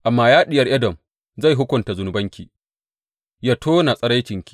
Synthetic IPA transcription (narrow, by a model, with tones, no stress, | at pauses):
ʔa˨mːaː˦jaː˦ɗɪ˨jɐ˦rʔɛ˦dɔ˨m | za˦˨jɦʊ˦kʷʊ˨nta˨zʊ˨nʊ˨bɐ˦ŋkʲḭː˨ | ja˦tʰoː˦na˨sʼɐ˦ɽa˦jt͡ʃɪ˨ŋkʲi̥˨˦˨